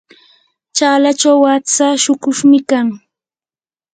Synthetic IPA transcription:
t͡ʃaːlat͡ʃawːat͡saʃʊkʊʃmɪkaŋ

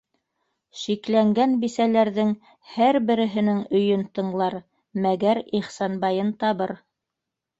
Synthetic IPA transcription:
ʃiklæŋɡænbisælæɾðɘŋ | hæɾbɘ̆ɾɘ̆ɦɘ̆nɘŋɵ̆jɵnt̪ɤ̆ɴlˠɑɾ | mæɡæɾiχsɑnbɑjɤnt̪ɑβɤɾ

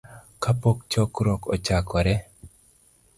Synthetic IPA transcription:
kapokt͡ʃɔkɾɔkɔ̰t͡ʃakɔɾɛ

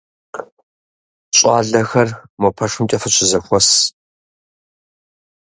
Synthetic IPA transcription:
ɕʼɑːɮɐxɐrmɔpʰɐʂɨmtʼɐfɨɕʰʼɪzɐxʷɔs

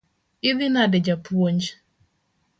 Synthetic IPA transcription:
iðinadɪd͡ʒapʰuoɲd͡ʒe

